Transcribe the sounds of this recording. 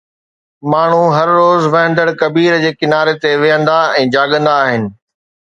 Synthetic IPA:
maːɳ̤uɦɐɾːoːzʋɐɦə̃nd̪əɽkɐbiːɾd͡ʑeːkɪnaːɾet̪eʋɪjə̃nd̪aɛ̃ːd͡ʑaːɠə̃nd̪aːɦɪnɪ̆

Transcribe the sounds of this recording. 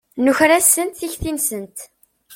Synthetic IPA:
nuçɾæsənt̪θiçθinsənt̪

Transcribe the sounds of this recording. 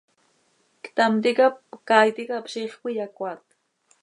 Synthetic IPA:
kt̪amt̪ikapkajt̪ikapʃiχpijakwat̪

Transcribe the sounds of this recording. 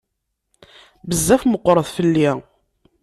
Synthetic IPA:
bəzːæfməqːɾˤəðˤfəlːi

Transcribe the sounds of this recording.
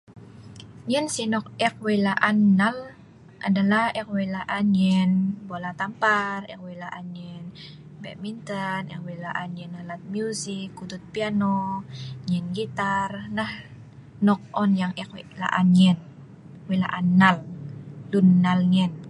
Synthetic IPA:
ɲɛnsinɔk̚ɛk̚welaʔanːal | ʔa̰dalahɛk̚welaʔanɛnbolat̪amparɛ̰k̚welaʔanɛn | bɛ̰ʔ̚mint̪ənɛ̰kwelaʔanɛnalat̪̚miuzikːud̪ut̪̚pianoɲɛnɡit̪arnah | nɔk̚ʔɔnjaŋɛkwla̰ʔaɲɛn | wela̰ʔanːallunːalɲɛn

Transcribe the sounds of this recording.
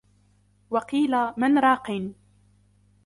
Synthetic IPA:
wɑqiːlamɪnɾˤɑːqin

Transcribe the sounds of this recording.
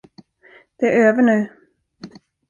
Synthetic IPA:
d̪̥ɛæɾøːvəɳʉ̟ː

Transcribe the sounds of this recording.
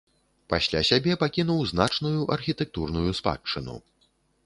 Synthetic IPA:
pasʲlʲa̰sʲabʲɛpakʲin̪uwznat͡ʂnujuʔɐrxʲit̪ɛk̚t̪urnujuspa̰t͡ʂːɨnṵ

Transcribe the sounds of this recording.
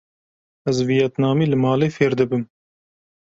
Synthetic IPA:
ɛzvijɛt̪nɑːmiːlɨmɑːleːfeːɾd̪ɨbɨm

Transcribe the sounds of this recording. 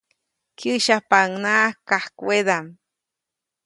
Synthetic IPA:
kiʃapaŋnaʔkahkwed̪am

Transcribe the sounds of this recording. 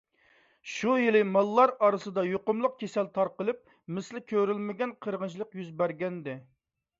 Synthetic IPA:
ʃujilɨmɑlˠːɑɾɑɾɨsɨd̪ɑjoqʊmlˠʊq̚kʲʰesɛlt̪ʰɑɾqəlˠɨp̚ | mɪslɪkʲʰøɾylmɪɡʲɛnqʰəɾʁənt͡ʃʰlˠəqjyzbæɾɡʲɛnd̪ɪ

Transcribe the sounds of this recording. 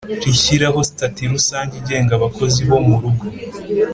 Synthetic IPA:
ɾiçiɾaho̞si̥tatiɾusaːɲɟiɟe̞ːŋɡaβako̞ziβo̞muɾuɡo

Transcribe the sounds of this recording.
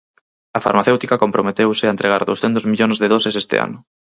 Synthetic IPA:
afa̰ɾmaθewt̪ikakompɾomet̪ewsɪaent̪ɾeɣ̞aɾðowsθent̪ozmiʎonzðeðɔsesest̪ɪ̰a̰nʊ

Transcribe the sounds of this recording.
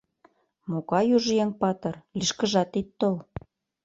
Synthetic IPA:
mokɑjuʒjeŋpɑt̪ɤ̆rliʃkə̆ʒɑt̪it̪ːol

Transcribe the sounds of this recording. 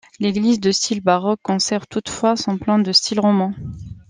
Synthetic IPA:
leɡlizd̪əst̪ilbaʁɔkːɔ̃sɛʁvt̪ut̪fwasɔ̃plɑ̃d̪əst̪ʰilʁɔmɑ̃

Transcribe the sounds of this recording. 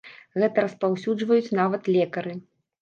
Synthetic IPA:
ɣɛt̪ɐɾɐspawsʲud͡ʐvɐjut͡sʲnavɐt̪lʲɛkɐɾɨ

